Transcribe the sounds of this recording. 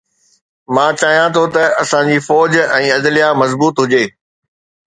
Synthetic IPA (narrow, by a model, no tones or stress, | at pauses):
mãːt͡ɕaːɦijãt̪ʰot̪ɐɐsãd͡ʑiːfɔːd͡ʑɛ̃ːɐd̪lijamɐzbuːt̪ɦʊd͡ʑeː